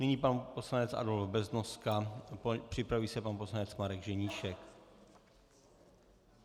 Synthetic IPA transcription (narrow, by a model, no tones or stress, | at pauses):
niɲiːpanpo̞slaɲɛt͡sʔa̰dolvbɛznoskapr̥ɪpɾaviːsɛpanposlaɲɛt͡smaɾɛɡʒɛɲiːʃɛk